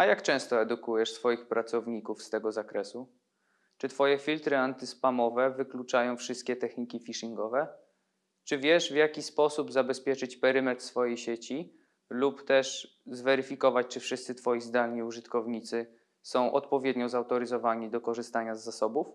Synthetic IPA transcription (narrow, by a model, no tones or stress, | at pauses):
ajakt͡ʂɛ̃w̃st̪ɔɛd̪ukujɛʂsfɔjixpɾat̪sɔvɲikufst̪ɛɡɔzakɾɛsu | t͡ʂɘt̪fɔjɛfʲilt̪ɾɘant̪ɘspamɔvɛvɘklut͡ʂajɔ̃w̃fʂɘst̪kʲɛt̪ɛxɲikʲifʲiʂiŋɡɔvɛ | t͡ʂɘvʲjɛʂvjakʲispɔsubzabɛspʲjɛt͡ʂɘt͡ɕpɛɾɘmɛt̪sfɔjejɕet͡ɕi | lupt̪ɛʂ | zvɛɾɘfʲikɔvat͡ɕt͡ʂɘfʂɘst̪sɘt̪fɔjizd̪alɲiuʐɘt̪kɔvɲit̪sɘ | sɔ̃w̃ʔɔ̰t̪pɔvʲjɛd̪ɲɔzawt̪ɔɾɘzɔvaɲid̪ɔkɔʐɘst̪aɲazːasɔbuf